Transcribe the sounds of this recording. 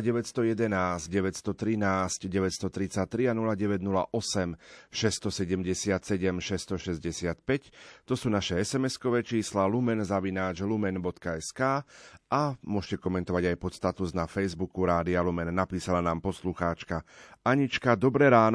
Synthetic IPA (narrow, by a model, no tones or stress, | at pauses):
ɟɛʋɛtst̪ɔjɛd̪ɛnaːzɟɟɛʋɛtst̪ɔt̪ɾinaːscɟɛʋɛtst̪ɔt̪ɾit͡sact̪ɾianulaɟɛʋɛɟnula̰ʔɔsɛmʃɛst̪ɔsɛɟɛmɟɛsɪat̪sɛɟɛmʃɛst̪ɔʃɛzɟɛsɪat̪pɛct̪ɔsuːnaʃɛɛsɛmɛskɔʋɛːt͡ʃiːslalumɛnzaʋinaːd͡ʒlumɛnbɔt̪kaɛskaːʔamʊɔʃcɛkɔmɛnt̪ɔʋaɟajpɔt̪st̪at̪uznafɛjzbukuɾaːd̪ialumɛnːapiːsalanaːmpɔsluxaːt͡ʃkaaɲit͡ʃkad̪ɔbɾɛɾaːn